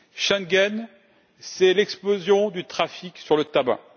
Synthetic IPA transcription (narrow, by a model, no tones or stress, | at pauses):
ʃãnɡʲɛn | sɛlɛksplozjɔ̃d̪yt̪χafiksyʁlət̪abã̰